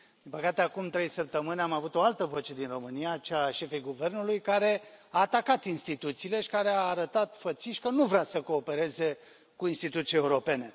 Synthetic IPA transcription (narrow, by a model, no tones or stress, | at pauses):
d̪impəkat̪eakumt̪ɾe̞jsəp̚t̪əmɨnʲamavut̪o̞alt̪əvo̞t͡ʃe̞d̪inro̞mɨnijat͡ʃeaʃe̞fejɡuve̞rnulujkaɾe̞aːt̪akat̪inst̪it̪ut̪siːle̞ʃi̥kaɾeaːɾət̪at̪fət̪siʃʲkənuvɾeasəko̞ːpe̞ɾe̞ze̞ | kuinst̪it̪ut̪sie̞uɾo̞pe̞ne̞